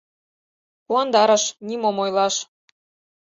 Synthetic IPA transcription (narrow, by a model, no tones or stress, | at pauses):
puɑnd̪ɑɾɤʃnimomojlɑʃ